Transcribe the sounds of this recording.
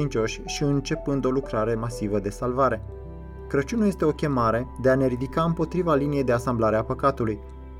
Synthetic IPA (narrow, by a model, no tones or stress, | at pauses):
int͡ʃo̞ʃʲʃiɨnt͡ʃe̞pɨnd̪o̞lukɾaɾe̞masivəd̪e̞salvaɾe̞ | kɾət͡ʃunaje̞st̪e̞o̞kʲe̞maɾe̞d̪e̞ane̞ɾid̪ikaɨmpo̞t̪ɾivalinije̞jd̪easamblaɾeapəkat̪uluj